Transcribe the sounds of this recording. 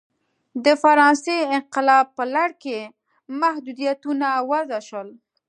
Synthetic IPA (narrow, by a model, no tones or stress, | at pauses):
d̪əfaɾɑnseɪnqɪlɑb̚pəlaɽke | mahd̪ud̪ijat̪unawazaʃəl